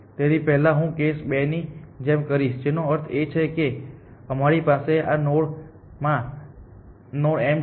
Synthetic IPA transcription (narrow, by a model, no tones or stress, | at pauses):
t̪eɾipɛɦlãɦũkesbenid͡ʒemkəɾiʃd͡ʒenoəɾt̪ʰet͡ʃʰekeəmaɾipaseanoɽ | mã | noɽem